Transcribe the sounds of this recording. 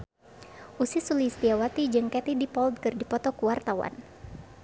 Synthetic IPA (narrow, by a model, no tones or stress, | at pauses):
ʔusisulist̪iawat̪id͡ʒɨŋkɛt̪idipɔld̪̚kɨrdipɔt̪ɔkuwart̪awa̰n